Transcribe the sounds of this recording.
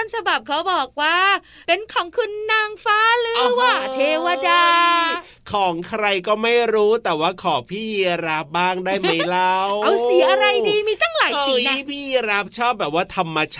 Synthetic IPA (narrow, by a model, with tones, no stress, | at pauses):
a˥˩nsʰa˧ba˨˩p̚kʰa˦˥wbɔː˨˩k̚waː˥˩ | pe˧nkʰɔː˩˦ŋkʰɯ˧nːaː˧ŋfaː˦˥lɯː˦˧waː˧˩t̪ʰeː˧wa˧daː˧ | kʰɔː˩˦ŋkʰɾa˧jkɔː˥˩ma˥˩jɾuː˦˥t̪ɛː˨˩waː˥˩kʰɔː˩˦pʰiː˥˩ɾa˦˥p̚baː˥˩ŋdaː˥˩jma˦˥˩jjla˦˥wʔa˧˩wsi˩˦ʔa˧ɾa˧jdiː˧miː˧t̪ʰa˥˩ŋlaː˨˦˧pʰiː˥˩ɾa˦˥p̚t͡ɕʰɔː˥˩p̚bɛː˨˩p̚waː˥˩t̪ʰa˧mːa˧t͡ɕʰ